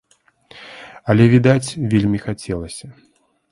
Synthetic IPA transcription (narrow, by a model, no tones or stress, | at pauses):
ɐlʲɛvʲid̪at͡sʲvʲelʲmʲixat͡sʲɛlˠɐsʲɐ